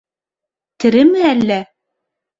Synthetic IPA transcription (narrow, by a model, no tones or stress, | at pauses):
t̪ɘ̆ɾɘ̆mɘælːæ